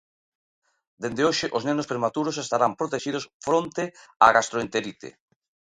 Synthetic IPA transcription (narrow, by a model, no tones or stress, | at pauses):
d̪end̪eoʃɪʔoznenospɾemat̪uɾos̬est̪aɾampɾot̪eʃið̞osfɾont̪ɪaɣast̪ɾoent̪eɾit̪ḛ